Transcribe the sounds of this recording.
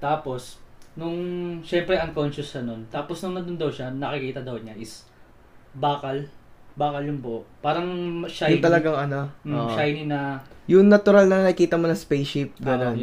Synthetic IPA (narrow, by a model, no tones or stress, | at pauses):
t̪aːpo̞snʊŋʃɛmpɾɛʔɐŋkonʃʊsːɐnont̪aːposnʊŋnɐd̪ʊnd̪ɐwʃanɐkɪkiːt̪ɐd̪ɐwɲaʔɪs | baːkɐlbaːkɐljʊnbopaːɾɐŋmɐʃajʊnt̪ɐlɐɡaŋɐnooʃajninɐjʊŋnɐt̪ʊɾalnɐnɐkiːt̪ɐmonɐspɛjʃɪp̚ɡɐnon